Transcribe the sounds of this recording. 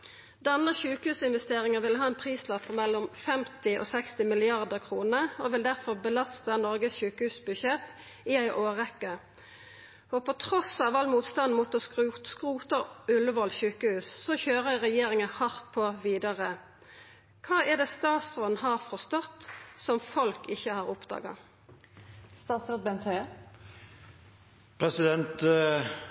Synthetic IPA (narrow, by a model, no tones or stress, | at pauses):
d̪ɛnəçʉːkəhʉːsɪnʋɛst̪eːʁɪŋəʋɪlɦɑːɛnpʰʁiːslɑpʰːɔmɛlːɔmfɛmt̪ɪʔo̰ːsɛkst̪ɪmɪlɪɑʁd̪əʁkʰʁuːnəʁoʋɪld̪æʁfɔʁbəlɑst̪ənɔʁɡəsçʉːkəhʉːsbʉʃɛt̪ | ɪæɪʔoːʁɛkːə | ɔpʰɔt̪ʰʁɔsɑːʋɑlmuːt̪st̪ɑn̩muːt̪ɔsskʁuːt̪əʉləʋɔlçʉːkəhʉːsːɔçøːʁəʁɛjeːʁɪŋəhɑʁt̪̚pʰoːʋiːd̪ɑʁə | kʰɑːæd̪ɛːst̪ɑːt̪st̪ʁɔnhɑːʁfɔst̪ɔt̪ːsɔmfɔlkɪçəhɑːʁʊpd̪ɑ̰ːɡɑ̰ | st̪ɑːt̪sɾɔt̪̚bɛnt̪ʰø | pʰʁɛsɪd̪ɛnt̪